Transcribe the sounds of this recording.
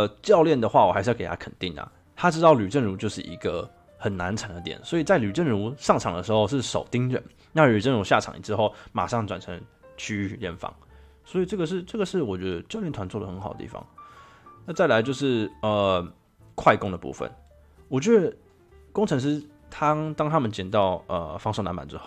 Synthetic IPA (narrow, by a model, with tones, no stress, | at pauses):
t͡ɕjɑ˥˧ʊljɛ˥˩nd̪ə˩xwa˥˩wɔ˨˩xʂɻ̩˥˧˥ke˨˩a˥kʰə˨˩nt̪i˥˩ŋɐ̰˩ | t̪ʰa˥ʈ͡ʂɻ̩˥t̪ɑ˥˩ʊly˨˩ʈ͡ʂə˥˩nɻu˧˥t͡ɕjo˥˧ʊʂɻ̩˥˩ʔḭ˧˥ɡə˧ | xə˨˩nna˧˥nʈ͡ʂʰə˧˥nd̪ə˧t̪jɛ̰˨˩˦nswɔ˧˥i˨˩t͡sa˥˩ɪly˨˩ʈ͡ʂə˥˩nɻu˧˥ʂɑ˥˩ŋʈ͡ʂʰɑ˨˩ŋd̪ə˦ʂɻ̩˧˥xo˥˧ʊʂɻ̩˥˩ʂo˨˩ʊt̪i˥ŋɻə̰˨˩n | na˥˩ly˨˩ʈ͡ʂə˥˩nɻu˧˥ɕja̰˥˩ʈ͡ʂʰɑ̰˨˩ŋḭ˨˩ʈ͡ʂɻ̩˧˦xo˥˩ʊma̰˨˩ʂɑ˥˩ŋʈ͡ʂwa˨˩nʈ͡ʂʰə˧˦ŋt͡ɕʰy˥y˧ljɛ̰˥˩nfɑ̰˧˦ŋ | swɔ˧˥i˨˩ʈ͡ʂɤ˥˩ɡə˩ʂ̬ɻ̩˥˧ʈ͡ʂɤ˥˩ɡə˩ʂɻ̩˥˩wɔ˨˩t͡ɕɥɛ˧˦˥d̪ə˧t͡ɕlɛ˥˨nt̪ʰwa˧˦nt͡swɔ˥˩d̪ə˩xə˧˥nxɑ˨˩ʊət̪ḭ˥˩fɑ̰˨˩ŋ | na˥˧t͡sa˥˩ɪla˧˥ɪt͡ɕjo˥˧ʊʂɻ̩˥˩ə˨˩ | kʰwa˥˩ɪkʊ˥ŋd̪ə˨pṵ˥˧˩fə̰˨˩n | wɔ˨˩t͡ɕɥɛ˧˥d̪ə˧ | kʊ˥ŋʈ͡ʂʰɤ˧˥ŋʂ̬ɻ̩˥ | t̪ʰa˥t̪ɑ˥ŋt̪ʰa˥mə˨nt͡ɕɛ˨˩nt̪ɑ˥˩ʊə̰˩fɑ˥ŋʂo˥˩na̰˧˦npa̰˨˩nʈ͡ʂɻ̩˧˦xo˥˩ʊ